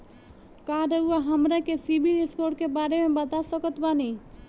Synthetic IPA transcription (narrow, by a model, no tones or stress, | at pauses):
kaːɾəuaɦɐmɾẽkesiːbiɾɪskoːɾʈ̚kebaːɾemẽbɐt̪asəkət̪baːniː